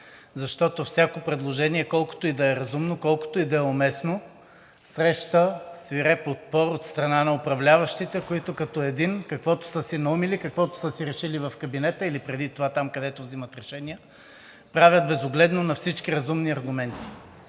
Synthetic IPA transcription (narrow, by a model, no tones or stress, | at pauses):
zɐʃt̪ɔt̪ofsʲakopɾɛd̪lˠoʒɛniɛkɔlˠko̥t̪oid̪ɐɛɾɐzumnokɔlˠko̥t̪oid̪ɐɛomɛsno | sɾɛʃt̪əsviɾɛpot̪̚pɔɾot̪st̪ɾɐnanɐopɾɐvlʲavɐʃt̪it̪ɛkoit̪ʊkɐt̪ɔɛd̪inkɐkvɔt̪o̥səsinɐumilikɐkvɔt̪o̥səsiɾɛʃilivɐfkɐbinɛt̪əilipɾɛd̪it̪ovat̪amkɐd̪ɛt̪ovzimɐt̪ɾɛʃɛnijɐ | pɾavʲət̪̚bɛzoɡlɛd̪nonɐfsit͡ʃkʲiɾɐzumniɐɾɡʊmɛnt̪i̥